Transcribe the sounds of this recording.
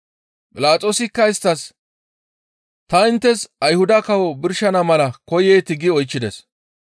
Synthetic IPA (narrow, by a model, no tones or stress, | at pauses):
kʼɪlaːt͡sʼo̞ːsɪkːɐɪst̪ːɐs | t̪ɐɪnt̪ːɛsɐjhʊd̪ɐkɐwɔbɪɾʃɐnɐmɐlɐkɔjeːt̪ɪɡɪɔjt͡ʃːɪd̪ɛs